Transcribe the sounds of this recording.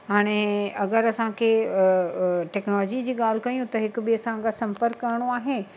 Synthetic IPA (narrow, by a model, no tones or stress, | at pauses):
ɦaːɽ̃eɐɡəɾɐsãkʰe | ʈɛːknɔːlɔːd͡ʑid͡ʑiːɠaːl̤kɐjũt̪ɐɦɪkbiɐsãɡasɐ̃mpəɾkːɐɾɽ̃oaːɦe